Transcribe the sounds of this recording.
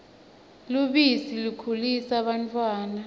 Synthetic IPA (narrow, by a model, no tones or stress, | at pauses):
luɓisilukʰulisaɓantʰʼwaːna